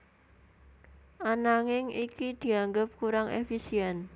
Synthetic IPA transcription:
ʔanaŋɪŋikid̪̥i̤aŋɡəp̚kuɾaŋḛfisiɛn

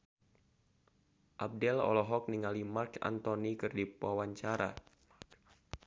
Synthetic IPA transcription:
ʔab̚dɛlɔ̰lɔɦɔk̚niŋalimarka̰nt̪onikɨrdipwawaɲt͡ʃaɾa̰

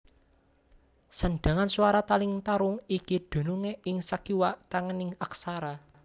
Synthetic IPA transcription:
saɳɖ̥a̤ŋansuwaɾat̪alɪŋt̪aɾʊŋikid̪̥o̤nuŋeɪŋsakiwaʔt̪aŋənɪŋaksaɾa

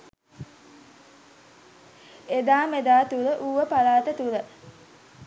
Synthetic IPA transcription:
ed̪aːmed̪aːt̪uɾəʔuːʋəpalaːt̪ət̪uɾə

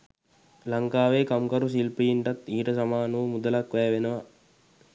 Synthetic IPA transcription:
laŋkaːʋeːkamkaɾus̬ilpijiɳʈat̪iːʈəsamaːnuʋumud̪əlakʋɛːʋenəʋa

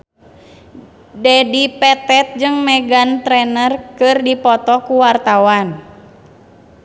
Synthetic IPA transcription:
dɛdipɛt̪ɛt̪̚d͡ʒɨŋmɛɡant̪ɾɛnərkɨrdipɔt̪ɔkuwart̪awan

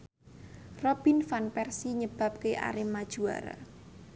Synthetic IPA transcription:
rɔb̥infanpɛrsiɲəb̥a̤p̚keʔa̰ɾimːad̥ʒ̥ua̰ɾa̰

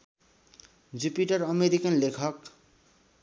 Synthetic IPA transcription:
d͡zupiʈʌɾʌmeɾikʌnlekʰʌk

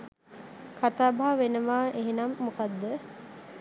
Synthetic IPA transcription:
kʰat̪aːbaɦaʋenəʋaːʔeɦenamːukad̪ːə

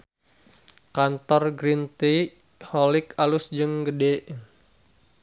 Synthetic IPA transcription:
kant̪ɔrɡɾint̪i | hɔlikalʊsd͡ʒɨŋɡədeʔ

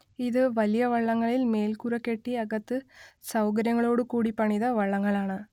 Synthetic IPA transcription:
iðɨʋɐlijɐʋɐɭːɐŋːɐɭilme̞ːlkurɐkːe̞ʈːiɐɣɐt̪ːɨsɐwkɐɾjɐŋːɐɭo̞ːɽɨkuːɽipɐɳiðɐʋɐɭːɐŋːɐɭaːɳɨ

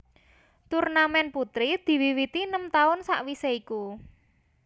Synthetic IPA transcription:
t̪urnamɛnput̪ɾid̪̥i̤wiwit̪inəmt̪aʊnsa̰ʔwiseiku

